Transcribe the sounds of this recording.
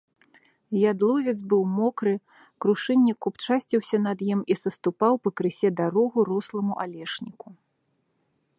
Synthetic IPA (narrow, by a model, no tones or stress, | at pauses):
jad̪lˠɔvʲid̪zbɨwmɔkɾɨ | kɾuʂɨnʲːikupt͡ʂasʲt͡sʲiwsʲɐnɐd̪jimisɐst̪upawpɐkɾɨsʲɛd̪aɾɔɣuɾɔslˠɐmuʔalʲɛʂnʲiku